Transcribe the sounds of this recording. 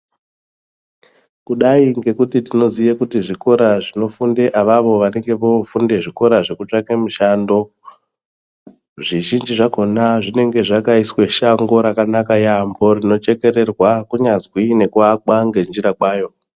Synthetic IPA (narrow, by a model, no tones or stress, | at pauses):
kuɗaiŋɡe̞kutitino̞zijekutiʐiko̞ɾaʐino̞funde̞ʔaʋaʋo̞ʋane̞ŋɡe̞ʋo̞funde̞ʐiko̞ɾaʐe̞kut͡ʂakemuʃando̞ | ʐiʒind͡ʒiʐako̞naʐine̞ŋɡe̞ʐakaiswe̞ʃaŋɡo̞ɾakanakajambo̞rino̞t͡ʃe̞ke̞ɾe̞rwakuɲazwine̞kwakwaŋɡe̞nd͡ʒiɾakwaːjo̞